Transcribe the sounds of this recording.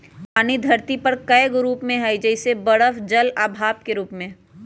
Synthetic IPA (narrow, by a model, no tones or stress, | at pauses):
paːnid̪ʱɐɾt̪ipɐɾkɐjɡɾuːpmẽɦɛjd͡ʒɛɪsebɐɽəfd͡ʒɐlaːbʱaːp̚keɾuːpmẽ